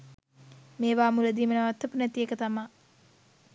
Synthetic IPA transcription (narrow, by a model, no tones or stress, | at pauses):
meːʋaːmuləd̪iːmənəʋat̪ːəpunæt̪iekət̪ama